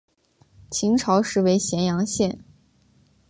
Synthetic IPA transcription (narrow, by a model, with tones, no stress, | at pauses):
t͡ɕʰi˧˥ŋʈ͡ʂʰɑ˧˥ʊʂɻ̩˥˩we˧˥ɪɕjɛ˧˥njɑ˧˥ŋɕjɛ˥˩n